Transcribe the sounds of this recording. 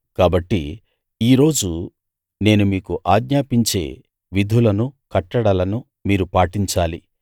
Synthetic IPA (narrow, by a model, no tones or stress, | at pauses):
kaːbɐʈːi | iːɾo̞ːd͡ʒu | ne̞ːnumiːkuʔaːɡɲaːpiɲt͡ʃe̞̰ː | ʋid̪ʱulɐnukɐʈːɐɽɐlɐnu | miːɾupaːʈiɲt͡ʃaːli